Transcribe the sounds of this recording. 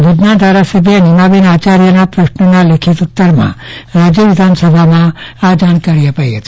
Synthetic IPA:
ʋʱid͡ʒnad̪ʱaɾasəbʱjənimaʋinat͡ʃaɾjənapɾəʃnənalekʰit̪ut̪ːəɾmã̰ɾad͡ʒjəʋɪd̪ʱansəbʱamãad͡ʒañkaɾijapəiɦət͡ʃ̪

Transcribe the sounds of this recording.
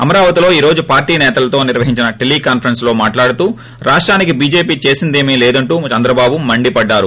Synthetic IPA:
ɐmɐɾaːʋɐt̪ilo̞ːiːɾo̞ːd͡ʒupaːɾʈiːnɛːt̪ɐlɐt̪o̞ːniɾʋɐɦiɲt͡ʃinɐʈiliːkaːnpʰɐɾɐnslo̞ːmaːʈlaːɽut̪uː | ɾaːʂʈɾaːnikibiːd͡ʒe̞ːpiːt͡ʃe̞ːsind̪eːmileːd̪ɐɳʈuːt͡ʃɐnd̪ɾɐbaːbumɐɳɖipɐɖːaːɾu

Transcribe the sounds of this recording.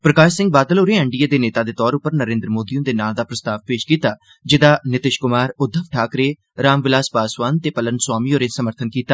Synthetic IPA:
pɾəkaːʃsɪ̃ŋɡ̚baːd̪əloːɾeːɛ̃ɳɖieːd̪eːneːt̪aːd̪eːt̪ɔːɾʊpːəɾnəɾẽːnd̪ɾəmoːd̪ijõd̪eːnaːld̪aːpɾəst̪aːʋpeːʃkiːt̪aː | d͡ʒɪd̪aːnɪt̪ɪʃkʊmaːɾʊd̪ʱəʋʈʰaːkɾeː | ɾaːmʋɪlaːspaːsʋaːnt̪eːpələnswaːmioːɾeːsəməɾt̪ʰənkiːt̪aː

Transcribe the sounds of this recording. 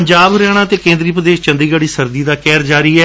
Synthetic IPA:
ɲd͡ʒaːbɾɛːɽ̃ãːt̪eːkẽːnd̪ɾiːpɾəd̪eːʃt͡ʃə̃nd̪iːɡəɽiːsəɾd̪iːd̪aːkɛːɾd͡ʒaːɾiːɛː

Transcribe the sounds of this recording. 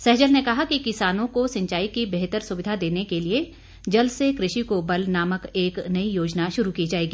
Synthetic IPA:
sɛɦd͡ʒəlnekɐɦakikɪsaːnõkosɐ̃ɲt͡ʃaːikibeɦt̪əɾsʊʋɪd̪ʱad̪eːnekelie | d͡ʒɐlsekɾɪʃikobɐlnaːməkeːknɐijoːd͡ʒnaʃʊɾukid͡ʒaːeːɡiː

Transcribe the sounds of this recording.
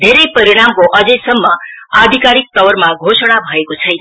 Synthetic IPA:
d̪ʱeɾʌjpʌɾiɽ̃amkoʔʌd͡zʌjsʌmːʌad̪ʱikaɾik̚t̪ʌwʌrmaɡʱosʌɽ̃abʱʌekot͡sʰʌjnʌ

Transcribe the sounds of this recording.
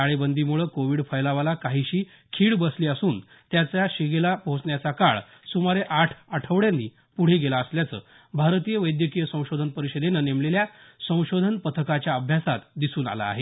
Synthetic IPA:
aɭebənd̪ʱiːmuɭəːkoʋiːɽfʰəjlaʋalakaɦiɕiː | kʰiːɽbəsliːəsuːn | t̪jat͡sjaɕiɡelapɦõt͡sɳjat͡sakaɭ | sumaɾeʔaʈʰəʈʰəʋɽjãnːiː | puɽ̤eɡelaəsljat͡sə̰ː | bʱaɾt̪ijəʋəjd̪jəkijəsə̃w̃ɕod̪ʱənpəɾiɕəd̪enənemleljasə̃w̃ɕod̪ʱənpət̪ʰəkat͡ɕjaəbʱjasat̪d̪isuːna̰la̰ːɦe

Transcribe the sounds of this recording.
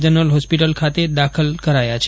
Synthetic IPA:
d͡ʒənəlɦɔspiʈəlkʰat̪ed̪akʰəlkəɾajat͡ʃʰ

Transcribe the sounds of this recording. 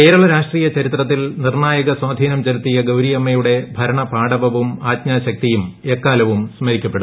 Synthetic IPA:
ke̞ːɾɐɭɐɾaːʂʈriːjɐt͡ɕɐɾit̪rɐt̪ːilnirɳaːjɐɣɐswaːd̪ʱiːnɐmt͡ɕɐɾut̪ːijɐɡɐwɾijɐmːɐjuɽe̞bʱɐɾɐɳɐpaːɽɐʋɐʋumaːd̪ɲaːɕɐk̚t̪ijumekːaːlɐʋumsmɐɾikʲːɐpːe̞ɽu

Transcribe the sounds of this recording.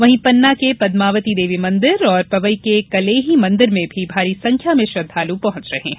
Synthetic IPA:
ʋɐɦĩpɐnːakepɐd̪maːʋət̪id̪eːʋimɐ̃nd̪ɪɾɔːɾpɐbəikekɐleːɦimɐ̃nd̪ɪɾmẽbʱibʱaːɾisɐ̃ŋkʰjamẽʃɾɐd̪ʱːaːlupɐɦʊ̃t͡ʃɾɐɦẽɦɛ̃

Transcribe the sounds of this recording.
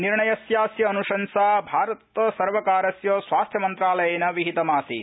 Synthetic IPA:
niɾɳɐjɐsjaːsjɐːnuʂɐnsaːbʱaːɾɐt̪sɐɾʋɐkaːɾɐsjoːsʋaːst̪ʰjɐmɐnt̪ɾaːlɐjɐnɐʋiɦit̪ɐmaːsḭ

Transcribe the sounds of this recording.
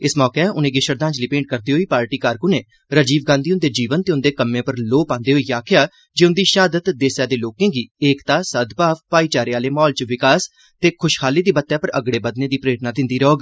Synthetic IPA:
ɪsmɔːkeʊnẽːɡɪʃəɾd̪ãːɲd͡ʒliːpẽːɳʈ̚kəɾd̪iːɦoːiːpaːɾʈiːkaːɾkunẽː | ɾəd͡ʒiːʋɡãːnd̪iːʊnd̪eːd͡ʒiːʋənt̪eːʊnd̪eːkəmːẽːpəɾloːpãːnd̪eːɦoːiːjaːkʰɪjaː | d͡ʒeːʊnd̪iːʃaːd̪ət̪d̪eːsjaːd̪eːloːkẽːɡiːeːkt̪aːsəd̪baːʋpaːiːt͡ʃaːɾeaːleːmɔːlt͡ʃʋɪkaːs | t̪eːkʰʊʃhʰaːliːd̪iːbət̪ːjaːpəɾʔəɡɽeːbəd̪nẽːd̪iːpɾeːʈnaːd̪ɪ̃nd̪iːɾɦoːɡ

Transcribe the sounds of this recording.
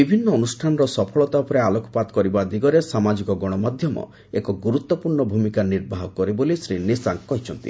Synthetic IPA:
ibʱinːɔːnusʈʰanɔɾɔsɔpʰɔɭɔt̪apɔɾealɔkɔ̥pat̪kɔɾibad̪iɡɔɾesamad͡ʒikɔɡɔɽ̃ɔmad̪ʱjɔmɔ̰ | ekɔɡuɾut̪ːɔpuɾɳɔbʱumikaniɾbʱaɦɔkɔɾibolisɾinisaŋkkːɔɦit͡ʃʰɔnt̪ḭ

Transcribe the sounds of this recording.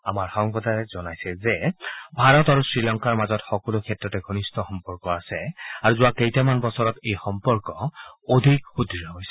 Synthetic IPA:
a̰maɹxɔŋpɔtaɹɛzɔnajsɛzɛbʱaɹɔtaɹusɹilɔŋkaɹmazɔtxɔkɔlʊkʰɛtɹɔtɛɡʱonistʰɔxɔmpɔɹkɔasɛaɹuzʊwakejtamanbɔsɔɹɔtejxɔmpɔɹkɔodʱikxudʱiɹɔɦojsɛ̥

